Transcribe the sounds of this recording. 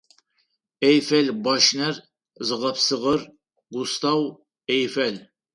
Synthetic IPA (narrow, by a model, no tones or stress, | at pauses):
ɛjfælbɑʃnær | zɨʁɐpsɨʁəɾ | ɡust̪ɑw | ejfæl